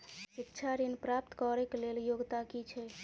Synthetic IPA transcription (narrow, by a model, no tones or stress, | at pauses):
sitːt͡ʃʰaɾinpɾap̚t̪kɔɾɛkleljoɡt̪akit͡ʃʰɛ